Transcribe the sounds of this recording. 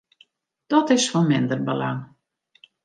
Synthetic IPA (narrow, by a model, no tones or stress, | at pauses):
d̥ɔtɪsfɔnmɪndərbəla̰ŋ